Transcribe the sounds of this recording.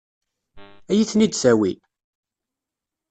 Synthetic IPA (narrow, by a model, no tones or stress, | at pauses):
æjiθnid̪sæwi